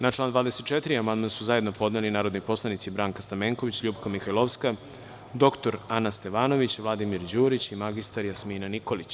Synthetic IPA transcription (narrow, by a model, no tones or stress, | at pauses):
nat͡ʃlˠaːnd̪vaːd̪eset̪t͡ʃe̞t̪iɾiamand̪mansuzaje̞d̪no̞po̞d̪nelinaːɾo̞d̪nipo̞slˠanit̪sibɾaːŋkast̪ameːŋko̞ʋit͡ɕʎuːpkamixajlˠo̞ʋska | d̪o̞kt̪o̞ɾanast̪e̞ʋaːno̞ʋit͡ɕʋlˠad̪imiɾd͡ʑuːɾit͡ɕimaɡist̪aɾjasminaniko̞lit͡ɕ